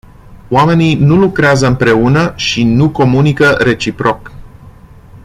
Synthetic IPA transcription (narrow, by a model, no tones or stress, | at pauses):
owame̞ninulukɾeazəɨmpɾe̞unəʃinuko̞munikəɾe̞t͡ʃipɾo̞k